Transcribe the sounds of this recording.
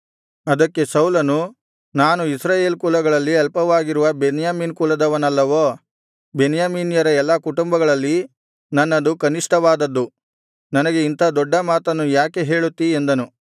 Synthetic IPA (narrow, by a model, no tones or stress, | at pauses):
ɐd̪ɐkːe̞sɐwlɐnu | naːnuisɾaːje̞ːlkuːlɐɡɐɭɐlːiɦɛlpɐʋaːɡiɾuʋɐbenjaːmiːnkuːlɐd̪ɐʋɐnɐlːɐʋoː | benjaːmiːnijɐɾɐɛlːɐkuʈumbɐɡɐɭɐlːi | nɐnːɐd̪ukɐniʂʈʰɐʋaːd̪ɐd̪ːu | nɐnɐɡe̞int̪ɐd̪ɔɖːɐmaːt̪ɐnːujaːke̞ɦe̞ːɭut̪ːiend̪ɐnu